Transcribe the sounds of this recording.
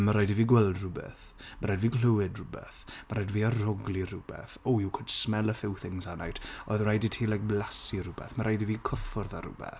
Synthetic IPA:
maɾajdiviːɡwɛlˠdrʊbɛ̰θ | maɾajdviːɡləwɨdrʊbɛ̰θmaɾajdiviːarɔɡlˠirʊbɛ̰θɔɪwkʰʊd̥smɛlˠəfɪwθɪŋsanajtʰɔðərajditʰiːlajk̚blasirʊbɛ̰θmaɾajdiviːkʰəfɔrðaɾʊ̰bɛ̰θ

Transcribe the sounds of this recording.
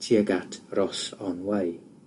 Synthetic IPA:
tʰiəɡatʰrɔsɔnwaj

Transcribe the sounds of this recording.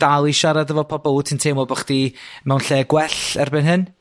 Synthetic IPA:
d̥alˠiʃaɾadəvɔpʰɔbɔlˠutʰəntʰeːmɔbəχd̥imɛwnɬɛːɡwɛɬɛrbɪnɦɨn

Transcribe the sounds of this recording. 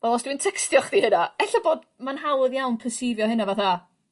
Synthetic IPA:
vɛlˠɔsd̥wintʰɛkstjɔχdihɪnaɛɬaboːd | manhawəðjawnpʰəsivjɔhɪnavaθa

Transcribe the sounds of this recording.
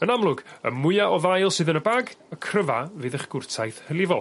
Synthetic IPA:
ənamlˠʊɡə̰mʊɨaʔɔðajlˠsɨːðənəbaːɡəkʰrəvavɨːðəχɡ̥ʊrtʰajθhəlˠɪvɔlˠ

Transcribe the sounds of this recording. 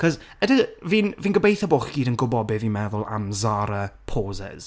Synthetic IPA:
kʰɔz | ədəviːnviːnɡəbejθəbʊχɡ̥iːdənɡʊbɔbɪðimɛðʊlˠa̰mzaɾəpʰoːzɛ̰z̥

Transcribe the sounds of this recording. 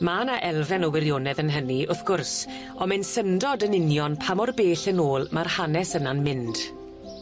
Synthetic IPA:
maːnaʔɛlˠvɛnɔwɪɾjoːnɛðənɦəniʔʊθɡ̥ʊrs | ɔmɛnsəndɔdənɪnjɔnpʰamɔrbeːɬənoːlˠmarhanɛsənanmɪnd̥

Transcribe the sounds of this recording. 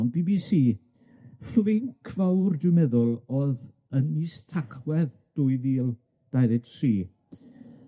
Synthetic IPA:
nbiːbisiː | fɪnkʰv̥awrdwɪmɛðʊlˠɔð | əniːstʰakʰwɛð | d̥ʊːɨviːlˠ | d̥ajðɨtʰriː

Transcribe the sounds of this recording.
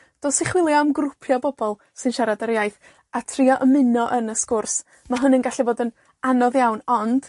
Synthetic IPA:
d̥oːsɪχwɪlˠjamɡrʊpʰjɔbɔbɔlˠ | sɨnʃaɾadəɾjajθ | atʰriɔʔəmɪnɔʔənəskʊrs | maɦʊnənɡaɬɪvoːdən | anɔðjawnɔnd̥

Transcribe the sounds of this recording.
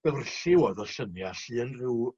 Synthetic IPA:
bɛvrɬɪwɔðɔɬənjaɬiːənrɪw

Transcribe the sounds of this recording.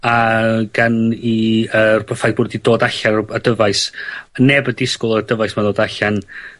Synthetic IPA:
aɡ̥aniərbʰəfaj̚bʊːdidoːdaɬaadəvajsnɛbədɪskʊlˠəadəvajsmadoːdaɬan

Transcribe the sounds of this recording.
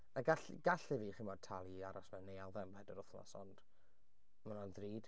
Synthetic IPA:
aɡaɬ | ɡ̥aɬɪviːχimɔːd̚tʰalˠiaɾɔsmɛwnːejalˠðɛmbadəɾʊθma̰sɔnd̥ | manɔnðriːd̥

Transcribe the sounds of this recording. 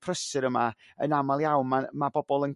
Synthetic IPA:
pʰrəsɪɾəma | ə̰namalˠjawnmamabɔbɔlˠən

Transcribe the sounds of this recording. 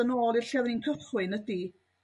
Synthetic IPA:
ənoːlˠɪrɬɛðninkʰəχwɨnədi

